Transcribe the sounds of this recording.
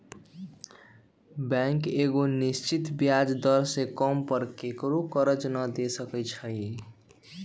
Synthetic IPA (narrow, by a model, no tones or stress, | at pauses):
bɛŋkeɡonist͡ʃit̪bjad͡ʒd̪əɾsekəmpəɾkekɾokəɾəd͡ʒnəd̪esəkət͡ʃʰəi